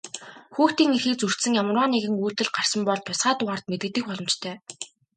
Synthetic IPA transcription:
xuːxt̪iːŋixiːk̚t͡sur̥t̪sɘ̆ŋjamrwaːneɣɘ̆ŋuːt̪ɘ̆ɮɢar̥sə̆mpɔɮt̪ʰːʊsɢaːt̪ʊʁaːr̥t̪̚met̪ɡɘ̆t̪ːɘ̆k̚pɔɮɞ̆mt͡ɕt̪ʰœː

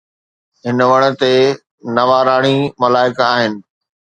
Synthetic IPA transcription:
ɦɪnʋɐɽ̃ə̆t̪e | nɐʋaɾaːɽ̃imɐlaːɪkaːɦɪnɪ̆

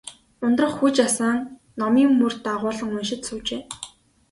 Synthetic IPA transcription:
ʊnt̪rə̆χxut͡ɕasaːŋ | nɔmiːmːur̥t̪aʁʊːɮə̆ŋʊnʃɪ̆t̪suːt͡ɕeː

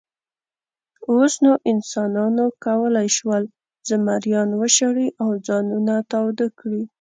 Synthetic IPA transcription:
osnoʔɪnsɑnɑnokawəlajʃwəl | zamaɾjɑnwəʃaɽiʔawd͡zɑnunat̪ɑwd̪akɽi

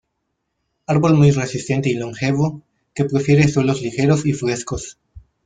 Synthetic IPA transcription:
aɾβo̞lmujre̞sist̪e̞nt̪eiloŋxe̞β̞o | ke̞pɾe̞fje̞ɾeswe̞lo̞zlixe̞ɾosifɾe̞skos

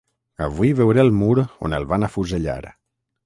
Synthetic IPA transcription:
əβuiβewɾelˠmuɾo̰nəlˠβanafuzəʎa̰ɾ

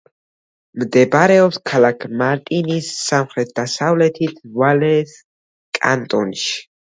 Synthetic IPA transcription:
md̪ɛbaɾɛɔpskʰalakʰmaɾt̪ʼinisːamχɾɛt̪̚ʰd̪asavlɛt̪ʰit̪ʰvalɛs | kʼa̰nt̪ʼɔnʃi̥

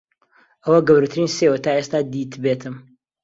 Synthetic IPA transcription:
ʔɐwɐɡɐwɾut̪ʰɨɾiːnsewɐt̪ʰaːʔest̪aːd̪it̪bet̪ʰɨm

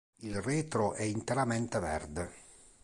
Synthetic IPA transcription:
ilreːt̪ɾoʔɛint̪eɾamɛnt̪evɛ̰rd̪e

